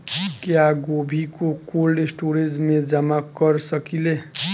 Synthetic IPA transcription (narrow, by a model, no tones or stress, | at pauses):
kjaɡobʱikokolesʈoɾed͡zmed͡ʒamakʌɾsʌkile